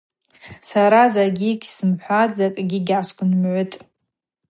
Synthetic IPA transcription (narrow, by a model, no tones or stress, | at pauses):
saɾazaɡʲiɡʲsɨmħʷad͡zakʼɡʲiɡʲaskʷʰʼʊnmʕʷʊtʼ